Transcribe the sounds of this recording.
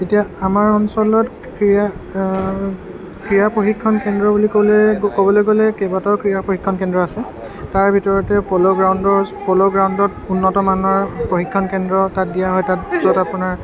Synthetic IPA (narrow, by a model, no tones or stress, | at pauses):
etijaamaɹɔnsɔlɔt | kɹia | kɹijapɹoxikʰːɔnkɛndɹɔbuliklɛkobɔlɔjɡɔlɛkɛbatɔkɹijapɹoxikʰːɔnkɛndɹɔasɛ | taɹbʱitɔɹɔtɛpɔlɔɡɹawndɔpɔlɔɡɹawndɔtunːɔtɔmanɔɹpɹoxikʰːɔnkɛndɹɔtat̚dijaɦɔjtat̚zɔtapunaɹ